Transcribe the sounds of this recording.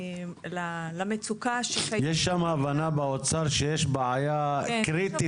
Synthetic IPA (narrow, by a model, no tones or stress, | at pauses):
lalamet͡sukaʃeajeʃːamaːvanabeot͡saʁʃejeʃbeʕajakʁit̪i